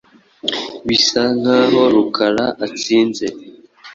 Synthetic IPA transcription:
βisaŋ̥haːɦo̞ɾukʰaɾaʔat͡siːnze

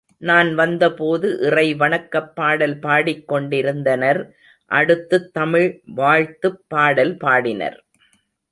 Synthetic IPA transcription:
naːnʋɐnd̪ɐpoːðɯʔɪrɐɪʋɐɳɐkːɐpːaːɽɐlpaːɽɪkːɔɳɖɪɾɯnd̪ɐnɐɾ | ʔɐ̰ɽɯt̪ːɯt̪ːɐmɪɻʋaːɻt̪ɯpːaːɽɐlpaːɽɪnɐ̰ɾ

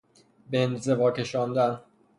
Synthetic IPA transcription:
benze̞vɒːcʰe̞ʃɒːnd̪æn

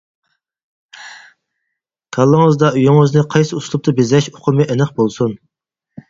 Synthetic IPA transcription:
t̪ʰɑlˠːəŋəzd̪ɑyjʊŋøznɪqʰɑjsɨuslˠup̚t̪ʰɨbezɛʃoqʰʊmɨʔenɨχbolˠsun

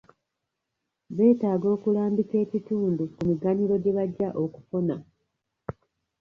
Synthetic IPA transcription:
βe̞ːtaːɡo̞ːkulaːmbike̞ːcituːndukumiɡaɲilo̞ɟe̞βaɟːaʔo̞ku̥fona

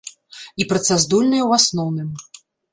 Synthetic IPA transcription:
ipɾɐt̪sazd̪ulʲnɨjwasnɔwnɨm

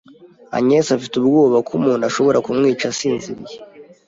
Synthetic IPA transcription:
a̰ɲesafitub̚ɡoːβakʰumuːnaʃo̞βo̞ɾʔakumŋiːt͡ʃasiːnziɾje

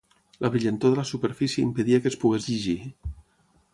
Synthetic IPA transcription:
lʔəβɾiʎənt̪oðəlasupəɾfisjəimpəðiakəspuɣezʎiʒi

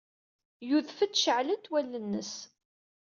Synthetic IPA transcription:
juðfəd̪ʃəʕlənt̪wælːənːəs

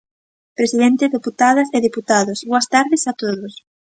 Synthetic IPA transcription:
pɾesið̞ent̪eðeput̪aðɐseðiput̪aðosβoɐst̪aɾðɪsat̪oðos

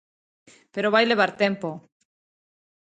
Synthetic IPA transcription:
peɾoβajleβ̞aɾt̪empo

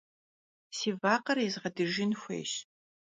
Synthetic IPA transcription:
siːvaːqɐrizʁɐdɨʒɪnxʷḛːɕ

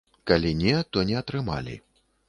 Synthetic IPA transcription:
kalʲinʲɛt̪ɔnʲɛɐt̪ɾɨma̰lʲḭ

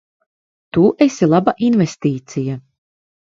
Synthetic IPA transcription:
t̪uʔesilˠabaʔinvɛst̪iːt̪sija

